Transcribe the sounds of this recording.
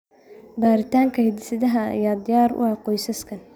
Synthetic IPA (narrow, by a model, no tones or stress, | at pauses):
baːɾɪt̪ʰaːŋkʰɐhɪd̪ɪsɐðɐɦɐ̰jaːd̪ɪjaːɾʊ̰ɐqɔjsɐskʰɐn